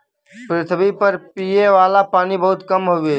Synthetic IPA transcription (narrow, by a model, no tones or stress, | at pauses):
pɾɪt̪ʰbipɐɾpiːeʋaːlapaːnibɐɦʊt̪kɐmɦoe